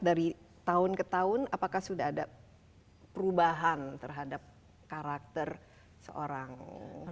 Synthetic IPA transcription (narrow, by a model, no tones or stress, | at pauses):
daɾit̪aʊnkət̪aʊnapakahsudaɦːda | pəɾubaɦant̪ərɦadap̚ | kaɾak̚t̪ər | sə̰ʔo̰ɾaŋ